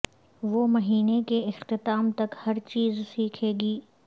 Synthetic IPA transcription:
ʋoːmɐɦiːnekeɪxt̪ɪt̪aːmt̪ɐkhɐɾt͡ʃiːzsiːkʰeːɡiː

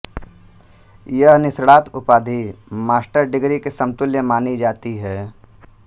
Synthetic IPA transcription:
jəɦnɪsɽaːt̪ʊpaːd̪ʱimaːsʈəɾɖɪɡɾikesɐ̃mt̪ʊljəmaːnid͡ʒaːt̪iɦɛː

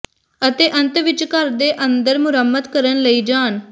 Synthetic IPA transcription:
ət̪eːʔənt̪ʋɪt͡ʃkəɾd̪eːʔənd̪əɾmʊɾəmːət̪kəɾənləiːd͡ʒaːn

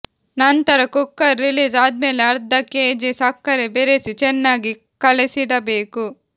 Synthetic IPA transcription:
nɐnt̪ɐɾɐkukːɐɾːiliːsaːd̪̚me̞ːleɐɾd̪ɐkeːd͡ʒesɐkːɐɾebeɾesit͡ʃɛnːaːɡi | kɐlisid̪ɐbeːku

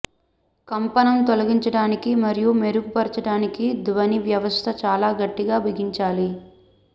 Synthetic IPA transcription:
kɐmpɐnɐmt̪olɐɡiɲt͡ʃɐɽaːnikimɐɾijume̞ɾuɡupɐɾt͡ʃɐɽaːnikid̪ʋɐniʋjɐʋɐst̪ʰɐt͡ʃaːlaːɡɐʈːiɡaːbʱiɡiɲt͡ʃaːli

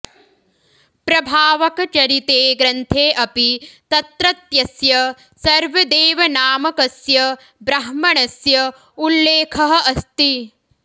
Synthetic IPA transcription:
pɾɐbʱaːʋɐkɐt͡ʃɐɾit̪eːɡɾɐnt̪ʰeːʔɐpit̪ɐt̪ɾɐt̪jɐsjɐ | sɐɾʋɐd̪eːʋɐnaːmɐkɐsjɐ | bɾɐɦmɐɳɐsjɐ | ulːeːkʰɐɦɐɐst̪i

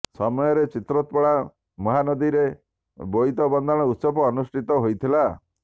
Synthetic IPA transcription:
sɔmɔjɔɾet͡ʃit̪ɾɔt̪pɔɭa | mɔɦanɔd̪iɾe | boit̪ɔbɔnd̪ʱãɔut̪sɔbɔːnusʈʰit̪ɔɦojt̪ʰila

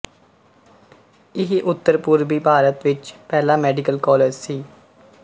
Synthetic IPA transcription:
ɪɦʔʊt̪ːəɾpʊɾʋiːbʱaːɾət̪ʋɪt͡ʃpɛːlãːmɛːɖɪkəlkɔːleːd͡ʒsiː

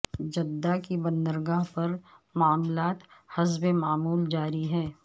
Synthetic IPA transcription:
d͡ʒɐd̪ːakibɐnd̪əɾɡaɦpɐɾmaːmlaːt̪hɐzbemaːmuːld͡ʒaːɾiɦɛː

